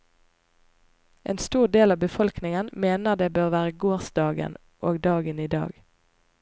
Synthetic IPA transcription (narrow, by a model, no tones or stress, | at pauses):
ʔḛːnst̪uːʁd̪eːlɑːʋbəfɔlknɪŋənmeːnəʁd̪eːbøːʁʋæːʁəɡoːʁsd̪ɑːɡə̰n | ʔoːɡd̪ɑːɡəniːd̪ɑ̰ːɡ